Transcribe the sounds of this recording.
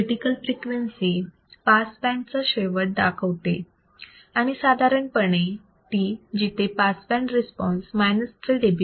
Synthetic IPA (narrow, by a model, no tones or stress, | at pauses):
ʈikəlfɾikʋənsi | paspɛ̃ɳʈ̚t͡səɕeʋəʈ̚d̪akʰəʋt̪e | aɽ̃isad̪ʱaɾəɳpəɳ̃e | t̪iːd͡ʑit̪ʰepasbɛ̃ɳʈɾespɔ̃nsmajnəstəlɖebʱju